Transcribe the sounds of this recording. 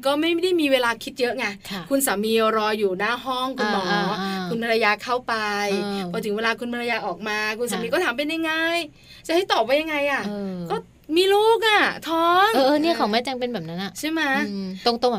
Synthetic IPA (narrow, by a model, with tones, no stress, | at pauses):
kɔː˥˩ma˥˩ja˦da˥˩jmiː˧weː˧laː˧kʰi˦˥t̪̚jɤ˦˥ʔŋa˧kʰkʰu˧nsaː˩˦mi˧ɾɔː˧juː˨˩naː˥˩ɦɔ˥˩ŋkʰu˧nbɔː˨˩k̚lɔː˧˩wa˦˥˩kʰu˧npʰaː˧ɾa˧jaː˧kʰa˥˩wpa˧jpʰɔː˨˦t̪ʰɯ˩˦weː˧laː˧kʰu˧npʰa˧ɾa˧jaː˧ʔɔː˨˩k̚maː˧kʰu˧nsa˨˦miː˧kɔː˥˩t̪ʰːmp̬e˧nja˧ŋːa˧j | t͡ɕa˨˩ʔha˥˩t̪ɔː˨˩p̚wa˦˥ja˧ŋa˧jʔa˨˩ʔkɔː˥˩ | miː˧loː˥˩k̬̚ʔa˨˩t̪ʰɔː˦˥ŋʔːʔɤː˧ni˥˩kʰɔː˩˦˩maː˥˩t͡ɕa˧ŋpe˧nbɛː˨˩p̚na˦˥nʔa˨˩t͡ɕʰa˥˩jma˦˥t̪o˧ŋt̪o˧ŋ˨